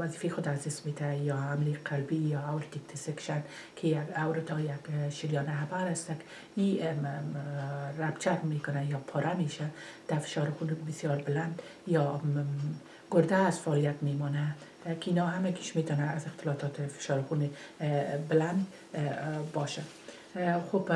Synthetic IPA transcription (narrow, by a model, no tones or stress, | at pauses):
waziːfexʊd̪azd̪ɪsmet̪ajɔamleqʰalbijɒawɾɪt̪ik̚t̪ʰɪsɪkʃan | kʰejaɡawɾɪt̪ɔjaɡʃiɾjɑnɪɦabaɾast̪ak | i | ɾabt͡ʃʰaɾmekʊnajɒpʰɔɾʔameʃad̪̥afɪ̥ʃɑɾxunbɪsjɒɾbɪland̪ | jɒ | ɡ̥ʊɾd̪aːzfaːlijat̪memɔna | kinɔɦamaɡiʃmet̪ɔnaːzɪxt̪ɪlɔt̪ɔt̪ɪfɪ̥ʃɑɾxune | bɪland̪ | bɔʃa | xob